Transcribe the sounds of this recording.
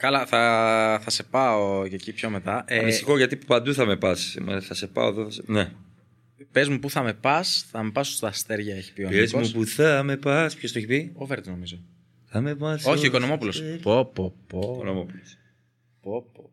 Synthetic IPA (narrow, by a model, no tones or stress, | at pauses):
kɐlɐθɐθɐse̞pɐocecipço̞me̞t̪ɐʔeist̪ixoʝɐt̪ipɐnd̪uθɐmepɐsimḛθɐsepɐ̰oðoθɐsene | pezmupuθɐme̞pɐsθɐmepɐso̥st̪ɐst̪eɾʝɐeçi̥piopezmupuθɐmepɐspçost̪oeçipioveɾd̪iznomizo | θɐmevɐoçioikonomo̞pulospopːopːokonomopulos | popo